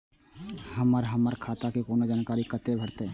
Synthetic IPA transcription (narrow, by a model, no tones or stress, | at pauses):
hɐməɾɦəməɾkʰaːt̪akikoːnod͡ʒaːnkaːɾikət̪ebʱɐɾt̪e